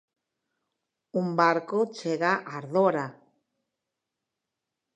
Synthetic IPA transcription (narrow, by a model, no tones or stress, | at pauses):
umbaɾkot͡ʃeɣaʔaɾðoɾa